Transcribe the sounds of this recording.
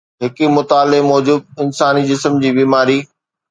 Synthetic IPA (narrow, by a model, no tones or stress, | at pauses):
ɦɪkimʊt̪aːlemɔːd͡ʑʊd̪̚ɪnsaːnid͡ʑɪsəmd͡ʑiːbiːmaːɾiː